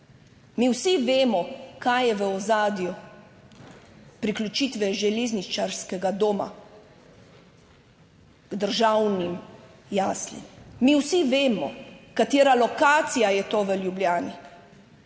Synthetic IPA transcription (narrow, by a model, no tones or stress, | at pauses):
miwsiʋeːmɔkajjɛʋəɔzaːd̪ju | pɾiklʲut͡ʃiːt̪ʋɛʒɛleːznit͡ʃaɾskɛɡad̪oːma̰ | ɡ̥d̪əɾʒawnim | jaːslḭmːiwsiʋeːmɔ̰kat̪jeːɾalɔkaːt̪sijajɛt̪oːʋəljubljaːni